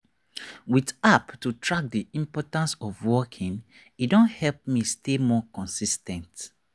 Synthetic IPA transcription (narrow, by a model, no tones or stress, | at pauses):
witaptutʰɹak̚diĩmpɔtãnsɔvwɔkʰĩn | idõnthɛlp̚mistemɔkɔ̃nsistɛ̃nt